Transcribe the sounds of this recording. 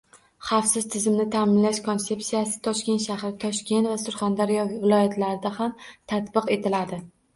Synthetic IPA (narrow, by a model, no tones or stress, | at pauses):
χɑfsɪzt̪ʰɪzɪmnɪt̪ʰaːmɪnlaʃkʰo̞nse̞psijasɪ̥t̪ʰɒʃkʲe̞nt̪ʃahɾɪt̪ʰɒʃkʲe̞nt̪vasʊɾχand̪aɾjɒvɪlˠɒjat̪ʰlaɾɪd̪ahamt̪ʰat̪bɨqe̞t̪ʰɪlad̪ɪ